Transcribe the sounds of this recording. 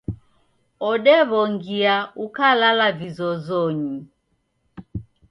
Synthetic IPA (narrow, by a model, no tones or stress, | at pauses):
ɔɗɛβɔŋɡiaukalalavizɔzɔɲi